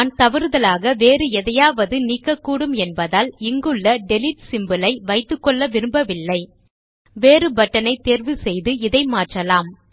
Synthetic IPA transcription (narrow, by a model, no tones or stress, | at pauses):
aːnt̪ɐʋɪɾɯðɐlaːɣɐʋeːɾɯɛðɐjaːʋɐðɯniːkːɐkːuːɽɯmɛnbɐðaːlɪŋɡɯɭːɐɖɛlɪʈsɪmbɯlɐɪʋɐɪt̪ːɯkːɔɭːɐʋɪɾɯmbɐʋɪlːɐɪ | ʋeːɾɯbɐʈːɐnɐɪt̪eːɾʋɯsɛjðɯɪðɐɪmaːʈrɐlaːm